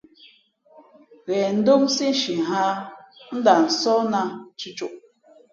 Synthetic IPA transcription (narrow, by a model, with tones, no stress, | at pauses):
ɣɛ˨n̩˦do˦m˦si˦n̩˦ʃi˨ɦa˦n̩˦da˨n̩˨sɔ˦na˧t͡ʃi˦t͡ʃo˨ʔ